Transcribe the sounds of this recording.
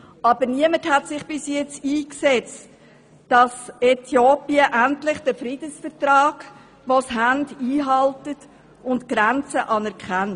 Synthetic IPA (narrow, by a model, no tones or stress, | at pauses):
ɑbəɾniəməthætsɪχb̥ɪsjɛt͡siːksɛt͡st | d̥ɑsɛtʰjoːpiəʔæntlɪχd̥əfɾid̥əsfəɾtrɑːɡ̥ | ʋoshændiːɦɑltət | ʊntɡ̥ɾænt͡səʔɑnɛɾkχæn